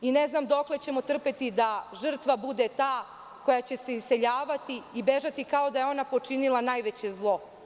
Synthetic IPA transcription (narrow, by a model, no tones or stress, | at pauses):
ine̞znamd̪o̞kle̞t͡ɕe̞mo̞t̪r̩pet̪id̪aʒr̩t̪ʋabud̪et̪aː | ko̞jat͡ɕe̞se̞ise̞ʎaːʋat̪iːbe̞ʒat̪ikao̞d̪ajeo̞napo̞t͡ʂinilˠanaːjʋet͡ɕe̞zlˠo̞